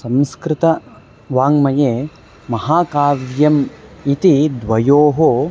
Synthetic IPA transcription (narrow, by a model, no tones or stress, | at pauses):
sɐmskɾɪt̪ɐ | ʋaːŋmɐjeː | mɐɦaːkaːʋjɐmit̪id̪ʋɐjoːɦo